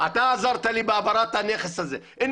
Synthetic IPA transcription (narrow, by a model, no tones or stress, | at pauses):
ʔat̪aazɑɾˤt̪aliːbɪabɑɾˤɑt̪aneːxesazeːʔɪnː